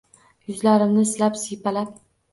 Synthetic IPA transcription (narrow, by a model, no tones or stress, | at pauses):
jʊzlaɾɪmnɪslapsijpʰalap̚